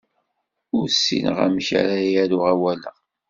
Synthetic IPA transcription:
ʊɾsːḭnʁæ̰mça̰ɾajæɾʊʁæwæləʁ

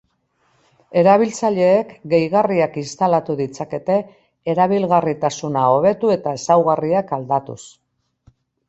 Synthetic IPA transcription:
e̞ɾaβilt͡saʎe̞ːkɡe̞jɣariakinst̪alat̪uðit͡sake̞t̪e̞ː | ɾaβ̞ilɣarit̪asunao̞β̞e̞t̪ue̞t̪ae̞sawɣariakald̪at̪ṵs

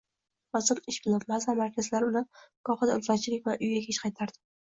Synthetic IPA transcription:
ɒzɨɾɪʃbɪlɪpmazvamaɾkʲʰazlaɾʊlakʰɒχɨd̪aɪlsɒt͡ʃʰɪlɪkʲvaʔʊjɡʲakʲʰeʃqʰɑjt̪ʰaɾd̪ɪ

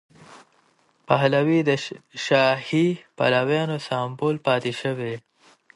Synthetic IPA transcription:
paɦlawid̪əʃɑːhipa̰lawjɑːnosɑːmpolpɑːt̪iʃəwe

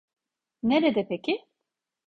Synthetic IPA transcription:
neɾɛd̪ɛpʰɛcʰi

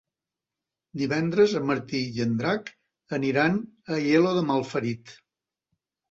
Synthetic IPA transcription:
d̪iβɛnd̪ɾəzəməɾt̪ijənd̪ɾak | əniɾanəjeloðəmalˠfəɾit̪

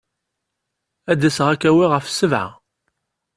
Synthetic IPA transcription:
æd̪æsʁækːæwiʁəfsəvʕa̰

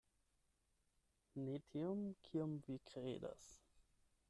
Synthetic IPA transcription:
netʰiomkʰiomvikɾḛda̰s

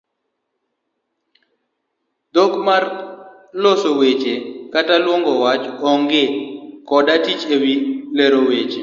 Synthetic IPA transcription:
dokmar | losowet͡ʃekatalwɔŋɡɔwat͡ʃɔŋɡɪkɔdatit͡ʃewileɾowet͡ʃe

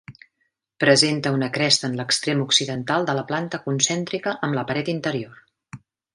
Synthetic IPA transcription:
pɾəzent̪əunəkɾɛst̪əːnləkst̪ɾemuksiðənt̪alˠd̪ələplant̪əkunsɛnt̪ɾikəʔəmləpəɾɛt̪int̪əɾior

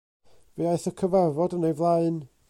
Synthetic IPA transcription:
viaɨθəkʰəvavɔdənejvlˠaɨn

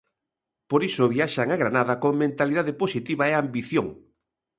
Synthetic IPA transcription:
poɾisoβiaʃaŋaɣɾanaðɐkoŋmẽnt̪aliðaðeposit̪iβaeambiθjoŋ

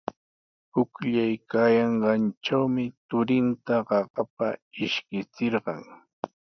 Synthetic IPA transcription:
pʊkʎajkajɑɴɢɑnt͡ʃawmɪt̪ʊɾɪnt̪aɢɑɢɑp̚aɪʃkɪt͡sɪɾɢɑŋ

